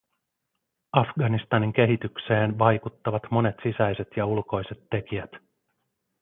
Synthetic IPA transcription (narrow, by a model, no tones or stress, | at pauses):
ɑfɡɑnist̪ɑniŋk̟e̞ɦit̪ykse̞ːnʋɑjkut̪ːɑʋɑt̪mo̞ne̞t̪sisæjse̞t̪jɑulko̞jse̞t̪ːe̞k̟iæt̪